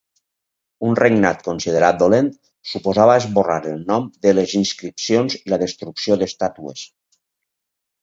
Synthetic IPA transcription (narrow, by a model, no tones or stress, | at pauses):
unreŋnat̪konsið̞eɾat̪̚d̪olent̪ | supozaβəezβoraɾəlˠnɔmd̪əlezinskɾipsionzlaðəst̪ɾuksioðəst̪at̪uḛs